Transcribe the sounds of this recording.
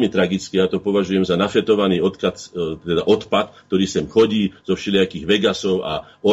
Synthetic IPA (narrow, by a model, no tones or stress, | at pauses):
mit̪ɾaɡit͡skijat̪ɔpɔʋaʒujɛmzanafɛt̪ɔʋaniːɔt̪kat̪t̪ɛd̪aʔɔt̪pat̪kt̪ɔɾiːsɛmxɔɟiːz̥ɔfʃɛlɪakiːɣʋɛɡasɔʊʔa̰ | ɔ